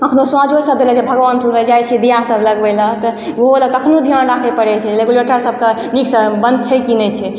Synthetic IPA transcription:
əkʰnoswãd͡ʒʱosəb̚d̪eləd͡ʒebʱəɡʋansəbeld͡ʒajt͡ʃʰɛd̪ijasəbləɡbɛlət̪əʋoɦoləəkʰnod̪ʱijəñɖakʰepəɽɛt͡ʃʰɛleɡuleʈəɾsəb̚ʱke | niksəbə̃nd̪̚t͡ʃʰɛkinɛt͡ʃʰɛ

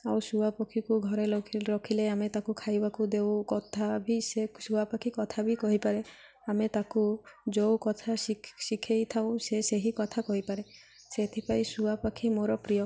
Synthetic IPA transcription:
awsuwapɔkʰikuɡʱɔɾeɾɔkʰileamet̪akukʰajbakud̪ewkɔt̪ʰabʱisesuapakʰikɔt̪ʰabikɔɦipaɾe | amet̪akud͡ʒowkɔt̪ʰasisikʰejt̪ʰaw̃seseɦikɔt̪ʰakɔɦipaɾe | set̪ʰipajsuapakʰimoɾɔpɾijɔ

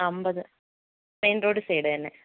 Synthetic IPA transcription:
ɐmbɐðɨ | peːndoːɽɨseːɽɨt̪ɐnːe

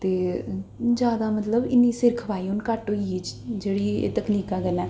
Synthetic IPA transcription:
t̪eː | d͡ʒjaːd̪aːmət̪ləbɪnːiːsɪɾkʰʋaːiːɦʊnkəʈːoːiːd͡ʒd͡ʒeːɽiːḛːt̪əkniːkãːkənɛː

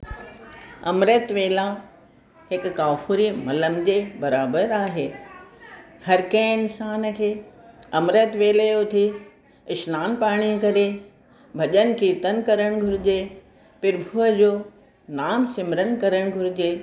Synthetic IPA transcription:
ɐ̰mɾət̪ʋeːla | ɦɪkːaːfuːɾimɐləmd͡ʑebɐɾaːbəɾaːɦeː | hɐɾkẽːɪnsaːnəkʰeːɐmɾət̪ʋeːleot̪ʰi | ɪʃnaːnpaːɽ̃ikɐɾe | bʱɐʄənkiːt̪ənkɐɾəɽ̃ɡʱʊɾɪd͡ʑe | pɪɾbʱuəd͡ʑoː | naːmsɪmɾənkɐɾəɽ̃ɡʱʊɾɪd͡ʑeː

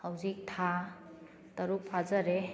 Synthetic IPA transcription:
hawzik̚tʰa | tɐɾuk̚pʰazaɾe

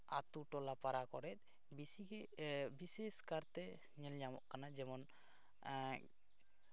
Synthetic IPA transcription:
a̰t̪uʈɔlapaɾakɔɾɛt̪̚ | bii | biseskaɾt̪ɛ | ɲɛld͡ʒamɔʔkanad͡ʒɛmɔn

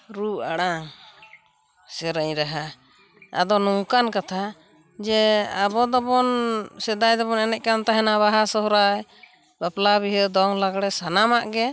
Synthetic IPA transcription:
ɾua̰ɽaŋ | sɛɾəɲɾaɦa | a̰d̪ɔnuŋkankat̪ʰa | d͡ʒɛabɔd̪ɔbɔnsɛd̪ajd̪ɔbɔnɛnɛt̪̚kant̪aɦɛnaβaɦasɔɦɔɾaj | baplabiɦəd̪ɔŋlaɡɽɛsanamaʔɡɛ

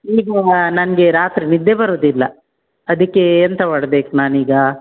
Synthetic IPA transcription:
iːɡɐnɐnɐɡe̞ɾaːt̪ɾinid̪ːebɐɾoːd̪ilːɐ | ɐd̪ɐkːeːnt̪ɐʋɐɽbeːknaːniːɡɐ

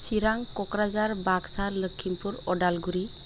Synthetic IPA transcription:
siɾaŋkɔkɾazaɾbaksaɾləkʰːimpuɾɔdalɡuɾi

